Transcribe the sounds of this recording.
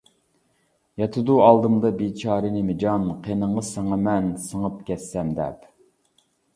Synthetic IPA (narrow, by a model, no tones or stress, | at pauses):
jɑt̪ʰɨd̪uɑlˠd̪ɨmd̪ɑbet͡ʃʰɑːɾɨnɪmɪd͡ʒɑnqʰenəɴʁəsɑŋɑmɛnsəŋəp̚kʲʰɛsːɛmd̪ɛ̰p